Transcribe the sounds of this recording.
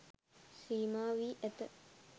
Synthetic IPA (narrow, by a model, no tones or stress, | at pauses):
siːmaːʋiːʔæt̪ə